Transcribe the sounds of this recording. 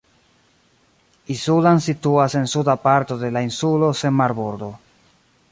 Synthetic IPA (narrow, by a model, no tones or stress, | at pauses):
isulansituase̞nsudapaɾto̞de̞lainsulo̞se̞nmaɾboɾdo̞